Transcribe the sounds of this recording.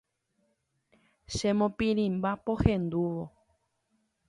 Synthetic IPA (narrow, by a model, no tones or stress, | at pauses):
ʃemõpĩɾĩmbapohẽnd̪uʋo